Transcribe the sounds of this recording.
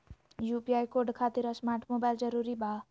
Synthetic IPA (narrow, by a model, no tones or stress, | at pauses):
jupiajkorɖkʰat̪iɾʌsmarʈmobajld͡zʌɾuɾibʱa